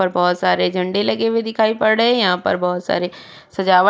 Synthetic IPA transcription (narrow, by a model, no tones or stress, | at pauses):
ɐɾbɔːt̪saːɾed͡ʒʱɐ̃ɳɖelɐɡeʋed̪ɪkʰaːipɐɽɽəɛ̃jɐɦãpɐ̰ɾbɔːt̪sa̰ːɾe | sɐd͡ʒaːʋə